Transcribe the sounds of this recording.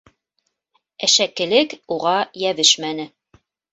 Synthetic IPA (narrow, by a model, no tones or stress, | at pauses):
æʃækːɘ̆lɘkuʁɑjæβɘʃmænɘ